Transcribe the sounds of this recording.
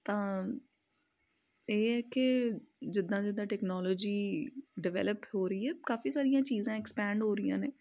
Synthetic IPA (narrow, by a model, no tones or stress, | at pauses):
t̪ãː | eːɛːkɪd͡ʒɪd̪ːãːd͡ʒɪd̪ãːʈɛːknɔːloːd͡ʒiːɖɪʋɛ̰ːləphoːɾəiːɛːkaːfiːsaːɾijãːt͡ʃiːzãːɛkspɛ̃ːɳɖɦoːɾɪjã̰ːneː